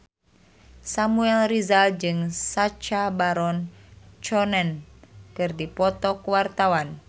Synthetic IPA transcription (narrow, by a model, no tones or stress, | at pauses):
samuɛlrizald͡ʒɨŋsat͡ʃabaɾɔnt͡ʃɔnɛnkɨrdipɔt̪ɔkuwart̪awan